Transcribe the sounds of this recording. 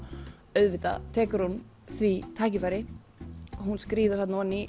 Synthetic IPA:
œɥðvɪt̪a̰t̪ʰɛːkʏɾ̥hun | θvit̪ʰaːcɪfaːjɾɪ | ɦunskɾiːðʏɾ̥θat̪naanːi

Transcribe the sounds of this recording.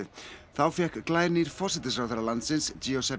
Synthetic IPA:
θawˠfjakʰɡ̥lˠajrniːrfɔs̬ɪt̪əs̬rɔðəɾalansɪnsd͡ʒiosɛb

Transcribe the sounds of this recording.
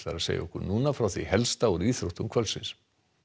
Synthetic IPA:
t̪la̰ɾasḛja̰ɔhkʏɾnuːnafɾawθihɛlst̪aɔɾiːθɾoht̪ʏmkʰvœlsɪ̰ns

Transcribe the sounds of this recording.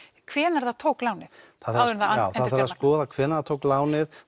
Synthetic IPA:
kʰvɛːnaɾθaðt̪ʰoːwklaːwnɪθaðθɾaθaawθaðɛɾaskɔːðakʰvɛːnaɾat̪ʰoːwklaːwnɪð

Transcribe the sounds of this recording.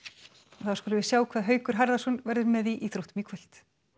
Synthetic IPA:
ɔθawskɔlʏvɪ̥sjaːwkʰvaːðɦœːɥkʏɾ̥ɦaɾðasɔnvɛɾðʏɾmɛðiʔiθɾuht̪miːkʰvœl̥t̪

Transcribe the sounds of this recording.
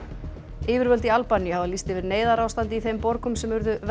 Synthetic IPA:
ɪːvɪɾvœlt̪ialpaniavalist̪ɪvɪɾneːjðaɾawst̪ant̪ɪiθejmpɔɾkʏmsɛmvʏɾðʏv

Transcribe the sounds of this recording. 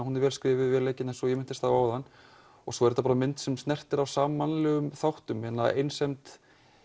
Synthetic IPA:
hunɛɾvɛlskɾɪːvɪðvɛːɾleːjcːɪnɛnsɔjɛmɪnt̪ɪst̪aːvaːwðanː | ɔɣsɔɛɾt̪apaːɾamɪnt̪sɛmst̪nɛr̥t̪ɪɾawsaːmanlɛɣʏmθawht̪ʏmhɛt̪na̰ʔejnsemt̪

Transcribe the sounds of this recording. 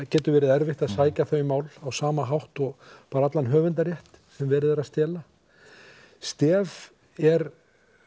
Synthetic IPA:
cɛːt̪ʏɾvɛːɾɪðɛɾvɪht̪aðsaːjcaθœɥmaːwlawsaːmaɦawht̪ɔɣpaːɾaat̪lanɦœːvʏnt̪aɾjɛht̪sɛmvɛːɾɪðɛɾaðst̪ɛːla | st̪ɛːv | ɛɾ

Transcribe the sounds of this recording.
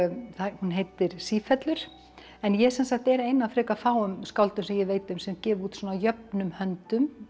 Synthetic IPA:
θahunɦejt̪ɪɾ̥siːfɛt̪lʏɾ̥ | ɛnjɛsɛnsaxt̪ɛɾejnafɾɛːkafaːwʏmskawlt̪ʏmsɛmjɛveːjt̪ʏmsɛmcɛːvuːt̪swɔːnajœp̚nʏmhœnt̪ʏm

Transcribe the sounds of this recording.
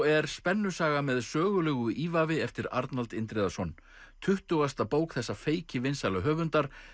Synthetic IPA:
ɛɾ̥spɛnːʏ̥saːɣamɛðsœːɣʏlœɣʏiːvavɪɛft̪ɪɾaɾt̪nalt̪ɪnt̪ɾeðasɔn | t̪ʰʏht̪ʏɣast̪apoːwkθɛsːafeːjcɪvɪnsalaɦœːvʏnt̪aɾ̥

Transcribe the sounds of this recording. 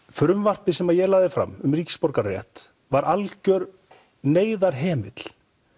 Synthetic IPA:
fɾʏmvar̥pɪsɛmajɛɣlaːðɪfɾa̰mːʏmriːcɪ̥spɔɾkaɾrɛ̰ht̪ | vaɾʔalcœɾ | neːjðaɾ̥ɦɛːmɪt̪l

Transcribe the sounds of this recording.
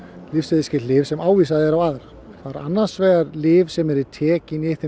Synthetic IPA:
lɪfsɛðiscɪt̪lɪvsɛmaːwviːsaðɪɛɾawaːðɾa | θaɾa̰nːansvɛːɣaɾlɪːvsɛmɛɾɪt̪ʰɛːcɪniɪhθɪ

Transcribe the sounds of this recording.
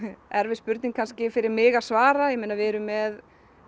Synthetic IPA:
ɛɾvɪspʏɾt̪nɪŋkʰanscɪfɪɾɪɾmɪːɣḁsvaːɾajɛmɪːnːavɪɛɾʏmːɛð

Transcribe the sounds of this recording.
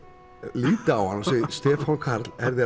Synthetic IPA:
liːt̪awhanasɛːjɪst̪ɛːfankʰaɾt̪lɛɾðɪ

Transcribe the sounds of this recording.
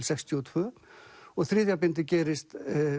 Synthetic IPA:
lsɛkst̪ʰiɔt̪ʰvʏːɔɣθɾɪːðjapɪnt̪ɪcɛːɾɪst̪

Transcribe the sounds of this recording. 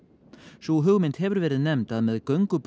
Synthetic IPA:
suɦʏɣmɪnt̪hɛvʏɾvɛːɾɪðnɛmt̪aðmɛðkœɥŋkʏp

